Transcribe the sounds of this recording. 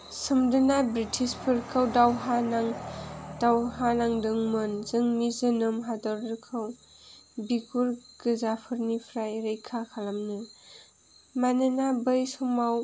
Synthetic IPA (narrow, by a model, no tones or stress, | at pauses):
sɯmdɯnabɾitʰispʰɯɾkʰawdawɦanaŋd̥awɦanaŋdɯŋmɯnzɯŋmizɯnɯmɦadɔɾɾɯkʰɯw | bikuɾɡɯzapʰɯɾnipʰɾajɾɯjkʰakʰalamnɯ | manɯnabɯjsɔmaw